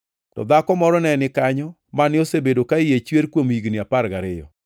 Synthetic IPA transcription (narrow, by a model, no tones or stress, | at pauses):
tɔ̰d̪akɔmɔɾɔnɛnɪkaɲɔ | manɪosebedokaɪjet͡ʃweɾkwomiɡnɪapaɾɡaɾɪjɔ̰